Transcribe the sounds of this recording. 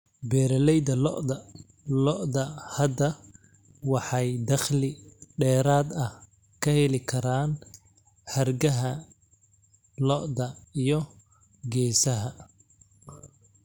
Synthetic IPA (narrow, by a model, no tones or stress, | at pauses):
bɛːɾɐlɛjd̪ɐlɔ̰ʔdɐ | lɔʔd̪ɐhɐd̪ɐ | wɑħɑjd̪ɐχlɪɖɛːɾaːd̪ɐh | kʰɐhɛlɪkʰɐɾaːn | ħɐrɡɐɦɐ | lɔʔd̪ɐijɔ | ɡɛːsɐɦɐ